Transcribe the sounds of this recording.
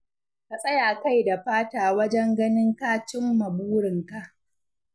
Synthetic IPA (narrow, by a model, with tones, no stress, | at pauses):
ka˨sʼɐ˦jaː˨ka˦jda˨ɸaː˦taː˨wɐ˦d͡ʒɛ˦ŋɡɐ˦nɪ˦ŋkaː˦t͡ʃɪ˦mːɐ˨buː˦ɽɪ˨ŋka˨ʔ